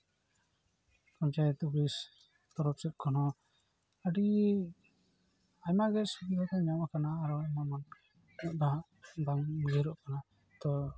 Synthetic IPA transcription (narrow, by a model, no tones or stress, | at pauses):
pɔɲt͡ʃajɛt̪uɡlis | t̪ɔɾɔp̚sɛt̪̚kʰɔnɔ | əɖi | aɲmaɡɛsikikɔt̪ɛɲɔmakanaːɾɔajmaman | ɔʔd̪aɦʔ | d̪aŋɡɛɾɔʔkana | t̪ɔ